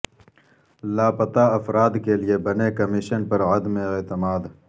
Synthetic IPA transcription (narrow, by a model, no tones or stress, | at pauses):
laːpɐt̪aːɐfɾaːd̪keliebɐnekɐmiʃənpɐɾɐd̪mẽeːt̪ɪmaːd̪